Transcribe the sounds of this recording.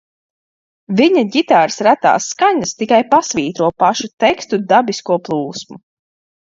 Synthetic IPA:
viɲaɟit̪aːɾsɾat̪a̰ːsːkaɲast̪ikajpasviːt̪ɾuɔpaʃut̪ɛkst̪ud̪abiskuɔplˠuːsmu

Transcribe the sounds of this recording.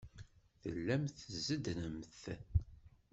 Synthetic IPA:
θəlːæmθəzːəd̪nəmθ

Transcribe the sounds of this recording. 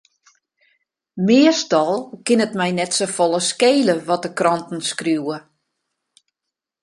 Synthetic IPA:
mɪəstɔlˠkɪnətmɛjnɛtsofɔlˠəskeːləʋɔt̚dəkrɔntn̩skruwə

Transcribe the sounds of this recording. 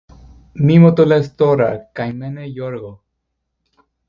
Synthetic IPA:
mimot̪olest̪oɾakajmenejoɾɣo

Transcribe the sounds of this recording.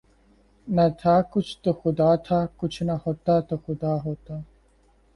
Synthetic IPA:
nɐt̪ʰaːkʊt͡ʃʰt̪oxʊd̪aːt̪ʰaːkʊt͡ʃʰnɐhoːt̪at̪oxʊd̪aːɦoːt̪aː

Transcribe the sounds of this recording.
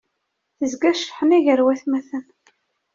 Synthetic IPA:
θəzɡæʃħəmiʝəɾwæθmæθən

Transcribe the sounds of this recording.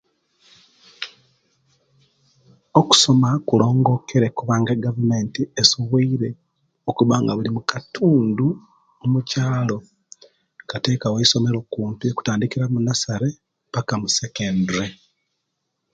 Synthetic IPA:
oku̥so̞makulo̞ːŋɡo̞ke̞ɾe̞kuβaːŋɡeɡavume̞ːntiesuβiiɾe̞ | okuβaːŋɡaβulimukatʰuːndu | omucaːlo̞ | kate̞ːkaweiso̞me̞ɾo̞kuːntueku̥taːndikiɾamunasaɾe̞ | pakamusekeːndɾe

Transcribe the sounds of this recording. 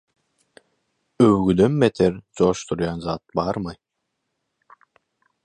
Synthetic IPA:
øwɡyd̪ønmet̪ʰeɾt͡ʃoːʃt̪ʰuɾjɑnzaːt̪̚bɑɾmɯ

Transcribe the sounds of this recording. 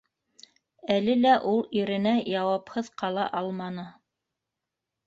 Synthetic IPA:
ælɘlæʔulˠiɾɘ̆næjɑwɑphɤðqɑlˠɑ̰ʔɑlˠmɑnɤ

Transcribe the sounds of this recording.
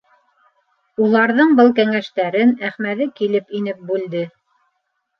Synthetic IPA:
ulˠɑɾðɤɴbɤlˠkæŋæʃt̪æɾɘnæχmæðɘkilɘpinɘp̚bʉld̪ɘ

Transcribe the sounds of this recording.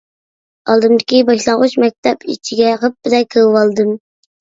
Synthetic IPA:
ɑlˠd̪ɨmd̪ɪkʲibɑʃlˠɑŋʁʊt͡ʃmɛk̚ʲt̪ʰɛpḭt͡ʃʰiɡʲɛʁəp̚bɪd̪ɛkʲʰewwɑlˠd̪ɨm

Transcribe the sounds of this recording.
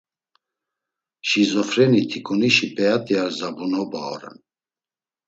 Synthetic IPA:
ʃizɔfɾɛnit̪ʰikʼuniʃipʰʼɛat̪ʼiaɾzabunɔba̰ɔ̰ɾɛ̰n

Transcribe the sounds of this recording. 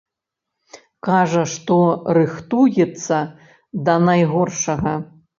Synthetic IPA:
kaʐɐʂt̪ɔɾɨxt̪ujɛt̪sːɐ | d̪ɐnajɣɔrʂɐɣɐ

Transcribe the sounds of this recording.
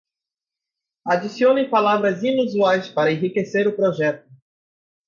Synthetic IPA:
ad͡ʒisiõnẽj̃palavɾɐzĩnuzuajspaɾɐẽɦikeseɾʊpɾoʒɛt̪̚ʊ

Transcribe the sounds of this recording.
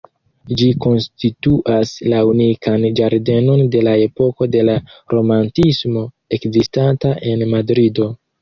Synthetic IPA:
d͡ʒiko̞nstituʔaslaunikʰand͡ʒaɾde̞no̞nde̞lae̞po̞ko̞de̞laɾo̞mantismo̞ | e̞kzistantaʔe̞nmadɾido̞

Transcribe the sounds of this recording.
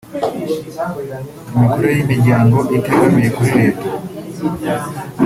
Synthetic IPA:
umikoɾujimiɾɟaːŋɡo̞ʔite̞ɡamije̞kuɾiɾe̞ːto̥

